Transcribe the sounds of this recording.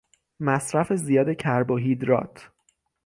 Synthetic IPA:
mæsɾæfe̞zijɒːd̪e̞cʰæɾboɦiːd̪ɾɒ̰ːt̪ʰ

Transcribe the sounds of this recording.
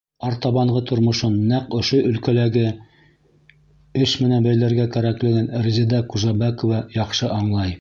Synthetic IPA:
ɑɾt̪ɑβɑɴɢɤt̪ŏɾmŏʃonːæqɵ̆ʃoʔɵ̆lkælæɡɘ | ɵʃmɘ̆nænbæjlæɾɡækæɾæklɘ̆ɡɘnɾzʲid̪ɑkuʒɑbækŏvɑjɑqʃɤʔɑɴlˠɑj

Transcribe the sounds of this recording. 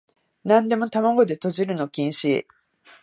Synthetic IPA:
nãnd̪e̞mo̞t̪amaɡo̞d̪e̞t̪o̞ʑiɾɯ̟no̞kʲĩɰ̃ɕi

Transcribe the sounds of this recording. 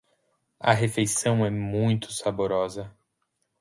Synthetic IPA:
ɐ̰ɦefejsɐ̃w̃ɛmũj̃t̪ʊ̥saboɾɔzɐ

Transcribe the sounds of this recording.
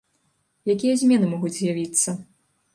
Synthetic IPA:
jakʲijɐzʲmʲɛn̪ɨmɔɣud͡zʲzʲjavʲit̪sːɐ

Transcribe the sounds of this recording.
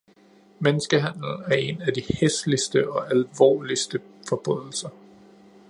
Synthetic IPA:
menəsɡ̥əɦæn̰l̩æɐe̝nædiheslisd̥əʔɒ̽ʔælʋɒ̰ːlisd̥ə | fɒ̽b̥ʁœð̞̰ˠl̩sɐ

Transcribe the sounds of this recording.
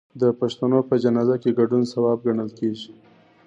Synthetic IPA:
d̪əpaʃt̪anopəd͡ʒanɑzakeɡaɖunsawɑb̚ɡaɳəlkeʒi

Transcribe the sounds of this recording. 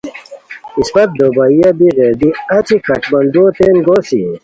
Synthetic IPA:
isbɐt̪̚d̪oːbaijabiʁed̪iɐt͡ɕʰikʰɐʈmɐnd̪ot̪eːnɡoːsi

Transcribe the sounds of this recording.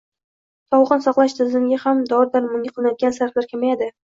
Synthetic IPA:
t̪ʰɒwʁɨnsɒqlˠaʃt̪ʰɪzɪmɡʲahamd̪ɒɾd̪aɾmʊŋʲaqɨlˠɪnajd̪ɪɡʲansaɾflaɾkʲʰamajad̪ɪ

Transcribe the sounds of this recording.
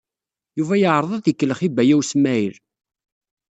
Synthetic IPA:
juvæjəʕɾˤðˤɑðəkːələχibæjæwsmæiɾ

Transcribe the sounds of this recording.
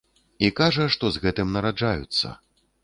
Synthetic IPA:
ikaʐɐʂt̪ɔzɣɛt̪ɨmnɐɾad͡ʐajṵt̪sːɐ̰

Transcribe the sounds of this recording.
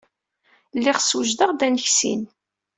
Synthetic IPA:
lːɪʁsuʒd̪əʁd̪ænəçsḭn

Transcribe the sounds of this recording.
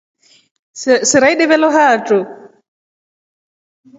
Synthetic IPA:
sɪɾaiɗɛβɛlɔɦaːʈ͡ʂʼʊ

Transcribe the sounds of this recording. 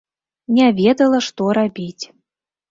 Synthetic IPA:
nʲɛvʲed̪əlˠəʂt̪ɔɾabʲitʲ

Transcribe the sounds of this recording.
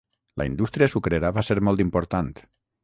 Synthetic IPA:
lʔə̰ḭnd̪ust̪ɾiasukɾeɾaβaseɾmɔlˠt̪impoɾt̪ant̪

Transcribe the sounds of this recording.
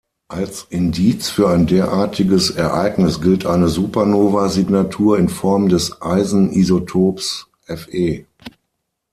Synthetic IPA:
ʔalsʔɪndiːt͡sfyːɐaɪndeːɐʔaːɐtʰɪɡəsɛɐʔaɪɡnɪsɡ̥ɪltʰʔaɪnəzuːpɐnoːvaziɡnatʰuːɐɪnfɔɐmdɛsʔaɪzn̩ʔizotʰoːps | ʔɛfʔeː

